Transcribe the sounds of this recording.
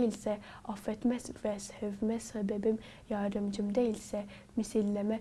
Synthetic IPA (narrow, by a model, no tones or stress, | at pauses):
ilsɛɑfɛt̪mɛzvɛshɛvmɛsɛbɛbim | jɑɾd̪ɯmd͡ʒɯmd̪æilsɛ | misilːæmɛ